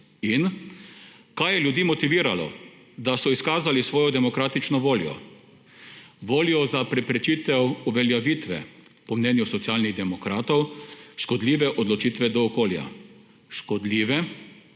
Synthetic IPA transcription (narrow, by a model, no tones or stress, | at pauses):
in | kajɛljud̪iːmɔt̪iʋiːɾalɔ̰ | d̪asɔiskaːzalisʋɔːjɔd̪ɛmɔkɾaːt̪it͡ʃnɔʋoːljɔ̰ | ʋoːlijɔzapɾɛpɾɛt͡ʃiːt̪ɛwuʋɛljaʋiːt̪ʋɛ̰pɔmnɛːnjusɔt̪sjaːlniɣd̪ɛmɔkɾaːt̪ɔwʃkɔd̪liːʋɛʔɔd̪lɔt͡ʃiːt̪ʋɛd̪ɔːkoːlja̰ | ʃkɔd̪liːʋɛ